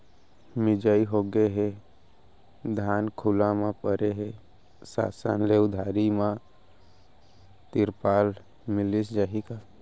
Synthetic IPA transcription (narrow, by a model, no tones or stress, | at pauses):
mɪd͡ʒaiɦoɡeɦe | d̪ʱaːnkʰʊlãmãpəɾeɦe | sa̰ːsə̰nleʊd̪ʱaːɾimã | t̪ɪɾpaːl | mɪlisd͡ʒaːɦika